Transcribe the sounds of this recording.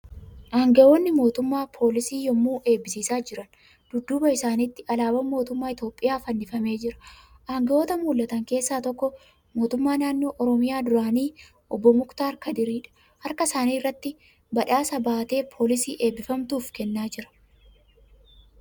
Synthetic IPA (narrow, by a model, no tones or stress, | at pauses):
ʔaːŋɡɐʔo̞ːnːɪmo̞ːt̪ʊmːaːpʰo̞ːlɪsiːjɔmːuːʔe̞ːbːɪsiːsaːd͡ʒɪɾɐn | d̪̥ʊd̪ːuːbɐɪsaːnɪt̪ːɪʔɐlaːbɐmːo̞ːt̪ʊmːaːɪt̪jo̞ːpʼːɪjaːfɐnːɪfɐme̞ːd͡ʒɪɾɐ̥ʔaːŋɡɐʔo̞ːt̪ɐmuːlːɐt̪ɐŋke̞ːsːaːt̪ɔkːɔ | mo̞ːt̪ʊmːaːnaːnːo̞ːʔɔɾɔmɪjaːd̪ʊɾaːniː | ʔɔbːɔmʊkt̪aːɾkɐd̪ɪɾiːᶑɐ̥ | hɐɾkɐsaːniːrːɐt̪ːɪ | bɐᶑaːsɐbaːt̪e̞ːpʰo̞ːlɪsḭːʔe̞ːbːɪfɐmt̪uːfkɛnːaːd͡ʒɪɾɐ̥